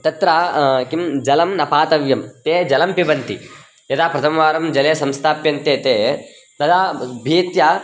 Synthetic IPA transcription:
t̪ɐt̪ɾakimd͡ʒɐlɐmnɐpaːt̪ɐʋjɐmt̪eːd͡ʒɐlɐmpibɐnt̪i | jɐt̪aːpɾɐt̪ʰɐmɐʋaːɾɐmd͡ʒɐleːsɐmst̪ʰaːpjɐnt̪eːt̪eː | t̪ɐd̪aːbʱiːt̪ja

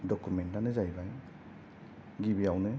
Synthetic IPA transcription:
dɔkumɛntanɯzajbaj | ɡibiawnɯ

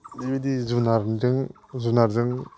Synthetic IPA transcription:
dibidizunaɾzɯŋ | zunaɾzɯŋ

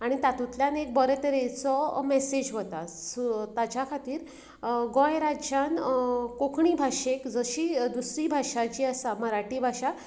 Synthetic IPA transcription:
aɽ̃it̪at̪ut̪ljanek̚bəɾət̪əɾet͡sɔmɛsed͡ʑɦot̪ast̪at͡ɕjakʰat̪iːɾ | ɡõjɾad͡ʑankokʰɳiːbʱaɕekd͡zəɕiːd̪usɾiːbʱaʂat͡ɕiːasaməɾaʈiːbʱaʂa

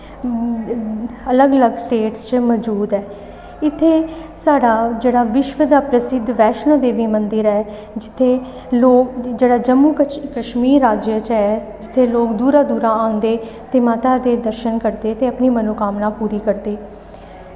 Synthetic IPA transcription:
ələɡələɡsʈeːʈst͡ʃmɔd͡ʒuːd̪ɛː | ɪt̪ʰːeːsaːɖaːd͡ʒeːɽaːʋɪʃʋəd̪aːpɾəsɪd̪ʋɛːʃnə̃ːd̪eːʋiːmənd̪ɪɾɛː | d͡ʒɪt̪ʰːeː | loːd͡ʒeːɽaːd͡ʒəmːuːkəʃmiːɾːaːd͡ʒjət͡ʃɛː | d͡ʒɪt̪ʰːeːloːkd̪uːɾaːd̪uːɾaːãːnd̪eːt̪eːmaːt̪aːd̪eːd̪əɾʃənkəɾd̪eːt̪eːəpniːmənoːkaːmnãːpuːɾiːkəɾd̪eː

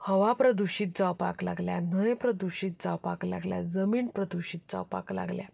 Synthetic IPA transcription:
həʋapɾəd̪uɕiːt̪̚d͡zawpaklaɡljan̤əjpɾəd̪uɕiːt̪̚d͡zawpakla̰ɡlja̰d͡zəmiːnpɾəd̪uɕiːt̪̚d͡za̰wpa̰kla̰ɡlja̰

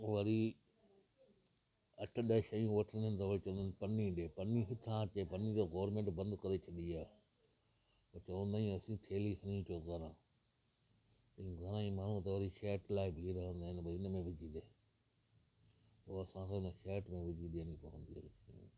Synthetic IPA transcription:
ʋɐɾi | ɐʈʰɗəʃɐjũʋɐʈʰə̃nənt̪ɐʋɐit͡ʃɐʋə̃nd̪nɪpɐnĩɗeːpɐniɦʊt̪ʰãt͡ɕeːpɐnĩt̪ɐɡoːɾmẽːɳʈbɐ̃nd̪kɐɾet͡ʃʰɐɗiaːɦ | ɐt͡ʃɐʋə̃nd̪aːĩɐsĩt̪ʰeːlikɐnĩʈʰoɡɐɾãː | t̪ɐ̃ɡʱɐɾãːĩmaːɳ̤ũt̪ɐʋɐɾiʃeːʈlaːɪbʱiːɾɐɦə̃nd̪aːɦɪnɪbɐɪnəmẽʋɪd͡ʒid̪ẽ | oːɐsãsãɪnəʃeːʈmẽʋɪd͡ʑiɗiə̃nipɐʋə̰̃nd̪iɦɐ̰ɾiʃɐjṵ̃ː

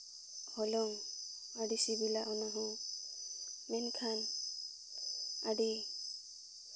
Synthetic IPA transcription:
hɔlɔŋ | aɖisibilaʔɔnaɦɔ̃ | mɛnkʰan | aɖi

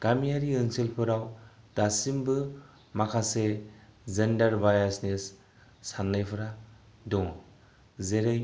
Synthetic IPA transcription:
ɡ̥amiaɾiɯŋsilpʰɯɾaw | d̥asimbɯ | makʰasezendaɾbajasnesː | anlɯjpʰɯɾa | dɔŋ | zeɾɯj

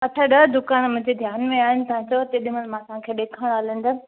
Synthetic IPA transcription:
ɐʈʰaɗɐd̪ʊkaːnmʊ̃ɦɪ̃ɲd͡ʑed̪ʱjaːnmẽaːɦɪnɪ̆t̪ɐãt͡ɕot̪eɗɪməlmãːsãkʰeːɗeːkʰaːɽ̃aːlə̃n̆d̪ə

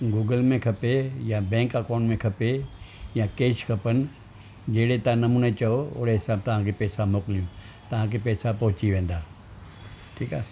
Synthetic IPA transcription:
ɡuːɡəlmẽkʰɐpejãbɛ̃ːŋkɐkaːnmẽkʰɐpejãkeːʃkʰɐpən | d͡ʑeːɽet̪ãnɐmuːnet͡ɕɐoʊ̰ɽeɦɪsaːb̚t̪ɐʋ̤ãkʰepɛːsamoːkɪlijũ | t̪ɐʋ̤ãkʰepɛːsapɐɦʊt͡ɕiʋẽːn̆d̪aː | ʈʰiːkaː

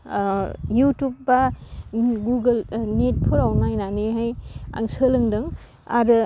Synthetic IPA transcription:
jutup̚ba | ɡuɡɯlnet̚pʰuɾawnajnaneɦaja̰ŋsɯlɯŋdɯŋ | a̰ɾɯ

